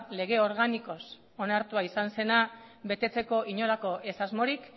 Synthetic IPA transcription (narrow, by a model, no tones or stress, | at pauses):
le̞ɣ̞e̞o̞ɾɣaniko̞s | o̞naɾt̪uaisanse̞naβe̞t̪e̞t͡se̞ko̞ʔiɲo̞lako̞ʔe̞sazmo̞ɾik